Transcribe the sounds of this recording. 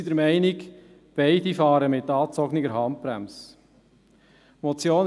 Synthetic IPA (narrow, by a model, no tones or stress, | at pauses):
idəɾmɛɪnɪk | b̥ɛɪdifɑːɾəmɪt̪ːɑːt͡sɔɡnɪɡəɾɦɑnt̚b̥ɾæ̰ms | mɔt͡sjoːn